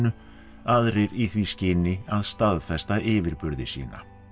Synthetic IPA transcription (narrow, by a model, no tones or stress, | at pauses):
nʏ | aðɾɪɾiθviscɪːnɪaðst̪aðfɛst̪aʔɪːvɪɾpʏɾðɪsḭːna̰